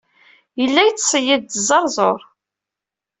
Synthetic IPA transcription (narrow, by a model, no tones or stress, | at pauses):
jəlːæjt͡sːsˤəjəðt̪əzˤːɑɾˤzˤoɾˤ